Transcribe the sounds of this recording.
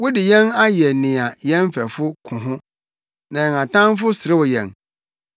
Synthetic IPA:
wʊ˦dɪ˨jɛ̃˦na˦jɛ˨nɪ̃˨a˨jɛ̃˦m˦fæ˨fʊ˦kʰʊ̃˨ɦʊ̃˦ | nã˨ŋã˨tʰã˦n˦fʊ˦sɪ˨ɾɪ˦wʊ˨jɛ̰̃˨n

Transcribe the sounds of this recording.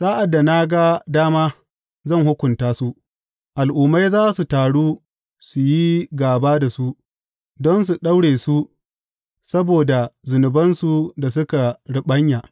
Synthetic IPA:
saː˦ʔa˨dːa˨na˦ɡa˦daː˦maː˦ | zɐ˦˨ŋhʊ˦kʷʊ˨ntaː˦su˦ʔ | ʔa˨lʔuː˨ma˦jzaː˦su˨taː˨ɽuː˦ | su˨ji˦ɡaː˨baː˦da˨su˦ | dɔ˦ns̬u˨ɗa˦wɽeː˨su˦ | sɐ˦boː˨da˨zʊ˨nʊ˨bɐ˦nsu˨da˨s̬ʊ˦ka˨ɽɪ˦ɓɐ˦ɲja˨

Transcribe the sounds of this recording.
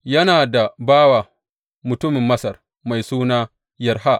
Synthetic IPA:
jɐ˦naː˨da˨baː˦wa˨ | mʊ˨tʊ˦mɪ˨mːɐ˦sɐ˨r | ma˨jsuː˦naː˦ | jɐ˨rɦa˦ʔ

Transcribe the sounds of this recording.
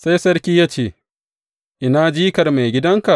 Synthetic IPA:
sa˦jsɐ˦ɽkʲiː˦jaː˦t͡ʃeː˦˨ | ʔɪ˦naː˦d͡ʒiː˦kɐ˨rma˨jɡʲɪ˦dɐ˦ŋka˨ʔ

